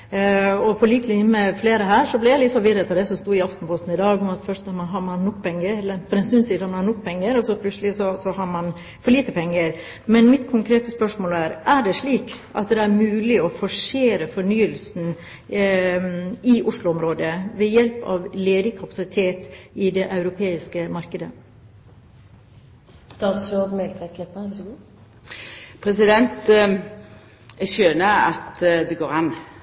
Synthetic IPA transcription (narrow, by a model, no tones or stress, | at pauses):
ɔpʰɔliːklɪmɛfleːɾəɦæːɾʂɔblɛjæɪlɪt̪fɔɾʋɪɾət̪ʰɪld̪ɛsɔmst̪uːɪɑft̪n̩pʰɔst̪n̩ɪd̪ɑːɡʊmɑt̪fœʂtmɑnɦɑmɑnɔkːpʰɛŋːəɾɛlːəɾfɔɾɛnsʉnsiːd̪ɑmɑnhɑːnɔkːpʰɛŋːəɾɔsɔpʰlʉt̪səlɪsɔsɔhɑɾmɑn | fɔɭiːt̪əpʰɛŋːəɾ | mɛnmɪt̪kʰʊŋkʰɾeːt̪əspœʂmoːlæːɾʔæɖɛʂɭiːkʔɑ̰t̪d̪ɛæɾmʉːlɪɔfɔʂeːɾəfɔɳyːəlsn̩ | ɪʔʊʂlʊɔmɾoːd̪əʋɛjɛlpɑ̰ʋleːd̪ɪkʰɑpɑsɪt̪ʰeːt̪ɪd̪ɛʔɑʉɾʊpʰeːɪskəmɑɾkəd̪ə | st̪ɑːt̪sɾoːd̪mɛlt̪ɛk̪ʰɪpːəɡuː | pʰɾɛsɪd̪ɛnt̪ | jɛɡʃøːnəɾɑ̰t̪d̪ɛɡoːʁɑnː